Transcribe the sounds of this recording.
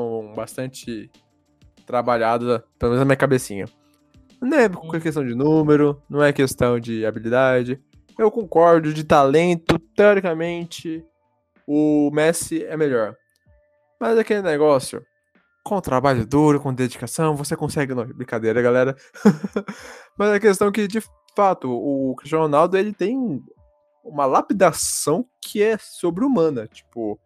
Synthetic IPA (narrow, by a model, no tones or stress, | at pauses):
bast̪ɐ̃nt͡ʃɪ | t̪ɾabaʎad̪ɐpelomẽnznmĩɲɐkabesḭ̃ɲɐ̰ | nɛkõkɛkest̪ɐ̃w̃d͡ʒɪnũmeɾʊnɐ̃w̃ɛkest̪ɐ̃w̃d͡ʒɪabilid̪ad͡ʒɪ | ewkõkɔɾd̪ʊd͡ʒɪt̪alẽnt̪ʊt̪eɔɾikamẽnt͡ʃɪ | ʊmɛsɪɛmeʎɔɾ | mɐzakelɪneɡɔsjʊ̰ | kõt̪ɾabaʎʊd̪uɾʊkõd̪ed͡ʒikasɐ̃w̃vosekõsɛɡɪnõbɾĩŋkad̪ejɾɐɡalɛɾɐ | mɐzɛkest̪ɐ̃w̃kɪd͡ʒɪ | fat̪ʊːkeʃõonawd̪ʊelɪt̪ẽj̃ | ũmɐlapid̪asɐ̃w̃kʰɪɛsobɾɪumɐ̃nɐt͡ʃi̥pʊ